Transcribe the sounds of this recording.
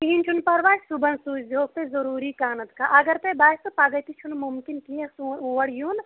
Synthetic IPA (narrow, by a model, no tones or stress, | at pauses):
iɦinʲt͡ʃʰunpɐɾʋaːssubɐnsuːd͡ʒd̪ʱoːk̚t̪ezɐɾuːɾikaːnɐt̪kaʔɐɡɐɾt̪ebaːjsupaɡəjt̪it͡ʃʰunmumkinkijɐsuʋɐɽjun